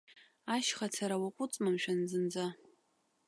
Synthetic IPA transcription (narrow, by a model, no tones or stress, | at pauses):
aʃχat͡sʰaɾawaqʷʼʊt͡sʼmamʃᶣanzɨnd͡za